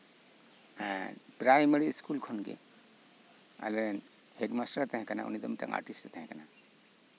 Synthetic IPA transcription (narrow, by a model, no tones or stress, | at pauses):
pɾajmeɾiskulkʰɔnɡḛ | a̰lɛɾn | heɖmasʈaɾt̪aɦɛ̃kana̰ṵnid̪ɔmʈa̰ŋa̰ɾʈisʈt̪aɦɛ̃kana